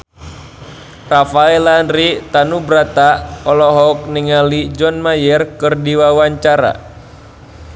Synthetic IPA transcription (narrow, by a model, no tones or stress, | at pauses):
rafaɛlanɾit̪anubɾat̪aɔlɔɦɔk̚niŋalid͡ʒɔnmajɛrkɨrdiwawaɲt͡ʃaɾa̰